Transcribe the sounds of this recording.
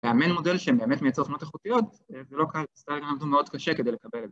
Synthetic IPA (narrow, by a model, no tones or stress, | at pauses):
leamenmo̞delʃebe̞ːmet̪mejatt͡seofnot̪eχut̪ijo̞t̪ | zelo̞kalist̪aʁeɡanamd̪umeo̞d̪kaʃekedejlekabeleze